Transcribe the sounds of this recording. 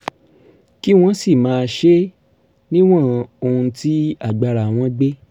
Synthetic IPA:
ki˦w̃ɔ̃˦si˦˨mãː˨˦˧ʃe˦ | nĩ˦w̃ɔ̃˦˨o˧hũ˧ti˦a˦˨ɡ͡ba˧ɾa˨w̃ɔ̃˧˦ɡ͡be˦

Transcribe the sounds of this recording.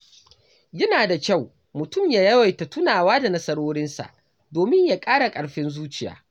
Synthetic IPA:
jɐ˦naː˨da˨kʲa˦˨w | mʊ˨tʊ˦˨mjaː˨jɐ˦wa˨jta˨tʊ˦naː˨waː˦da˨nɐ˦sɐ˦ɽoː˦ɽɪ˦nsa̰˨ʔ | doː˨mɪ˦ɲjaː˨kʼaː˦ɽa˨kʼɐ˨ɽɸɪ˦nzuː˦t͡ʃɪ˨ja̰ː˦

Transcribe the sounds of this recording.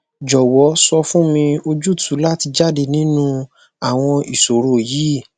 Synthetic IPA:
d͡ʒɔ˨wɔ˨˦sɔ˧fũ˦mĩ˧o˧d͡ʒu˦˨tu˨˦la˦ti˧d͡ʒa˦˨de˧nĩ˨˦nũ˧ | a˦˨w̃ɔ̃˧i˨so˨ɾo˦˨jiː˨˦˨

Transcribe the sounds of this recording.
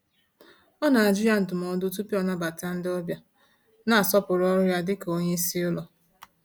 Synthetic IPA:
ɔ˦na˨ɪ˨d͡ʒi˦ɾja˦˨n̩˨tʊ˨m˨ɔ˦dʊ˦t̬u˦pi˦ɔ˨na˦ba˨ta˦n̩˦dɪ˦ɔ˦bja˦ | na˨a˨sɔ˦pʊ˨ɾɔ˦ɾʊ˦ja˦dɪ˦ko˦ɲe˦si˦ʊ˦lɔ˨

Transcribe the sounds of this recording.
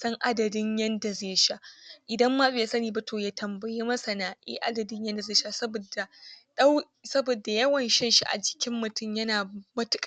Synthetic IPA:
sɐ˦ŋʔa˦dɐ˨dɪ˦ɲjɛ˦nda˨zeː˦ʃa˦ʔʔɪ˨dɐ˦mːaː˦ɓeː˨˦sɐ˦niː˨ba˦tʰoː˨jaː˦tʰɐ˨mbɐ˨jeː˦mɐ˦sɐ˨naː˦ʔḛː˦ʔa̰˦dɐ˨dɪ˦ɲjɐ˦nda˨zeː˦˨ʃa˦sɐ˦bo˨da˨ɗɐ˦w | sɐ˦boː˨da˨jɐ˦wɐ˨nʃɛ˦nʃi˦ʔa̰˨d͡ʒɪ̥˦kʲɪ˦mːʊ˨tʊ˦mjɐ˦naː˨mɐ˦tʊ˦kʼ

